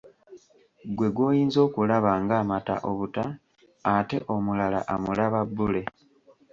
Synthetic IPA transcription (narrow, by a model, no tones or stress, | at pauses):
ɡwe̞ɡwo̞ːjiːnzo̞ːkulaβaŋɡaːmata̰ʔo̞βutaː | te̞̰ʔo̞mulala̰ʔamulaβabːule̞